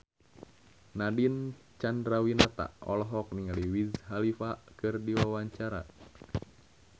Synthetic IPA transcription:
nadin | t͡ʃandɾawinat̪a̰ʔɔ̰lɔɦɔk̚niŋaliwizɦalifakɨrdiwawaɲt͡ʃaɾa

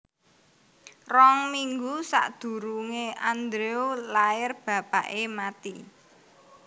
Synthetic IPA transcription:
rɔŋmiŋɡusa̰ʔd̪̥ṳɾuŋeʔand̪ɾeolaɪrb̥ä̤paʔemat̪i

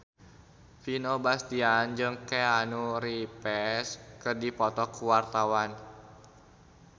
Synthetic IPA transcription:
finobast̪iand͡ʒɨŋkɛanuɾipɛskərdipɔt̪ɔkuwart̪awan

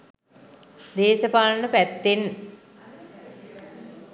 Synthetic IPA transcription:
d̪eːʃəpaːlənəpæt̪ːen

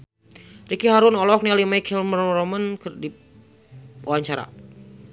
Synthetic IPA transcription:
rikiɦaɾunɔlɔk̚nialimajkʰɛlmrɾɔmənkərdi | uwaɲt͡ʃaɾa̰

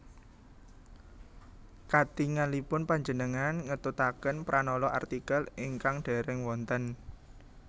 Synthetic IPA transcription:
kat̪iŋanlipʊnpaɲd͡ʒənəŋanŋət̪ut̪akənpɾʔanɔlɔʔart̪ikəliŋkaŋɖ̥ɛ̤ɾɛŋwɔnt̪ən

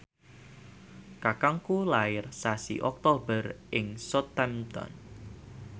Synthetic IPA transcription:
kakaŋkulaɪrsasḭʔɔk̚t̪obərʔɪŋsɔt̪ːɛmt̪ɔ̰n

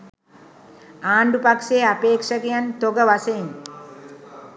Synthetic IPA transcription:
aːɳɖupakʂeːapeːkʂəkejant̪oɡəʋasejin

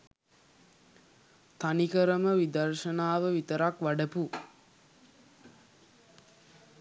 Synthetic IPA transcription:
t̪anikəɾəməʋid̪əɾʃənaːʋəʋit̪əɾakʋaɖəpu

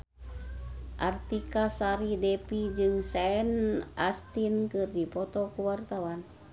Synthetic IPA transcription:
ʔart̪ikasaɾidɛpid͡ʒɨŋsaɛnʔast̪inkɨrdipɔt̪ɔkuwart̪awan

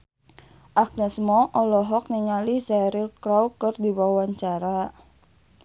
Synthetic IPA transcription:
ʔak̚nɛsmɔʔɔlɔɦɔk̚niŋalisɛɾilkɾawkɨrdiwawaɲt͡ʃaɾa

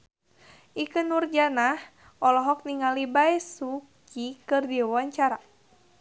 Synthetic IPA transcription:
ʔikɨnurd͡ʒanah | ɔlɔɦɔk̚niŋalibaɛsukikɨrdiawaɲt͡ʃaɾa

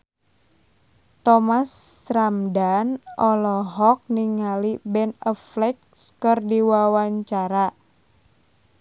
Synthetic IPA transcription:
t̪ɔmasɾamdanɔlɔɦɔk̚niŋalibɛnɔflɛk̚skɨrdiwawaɲt͡ʃaɾa

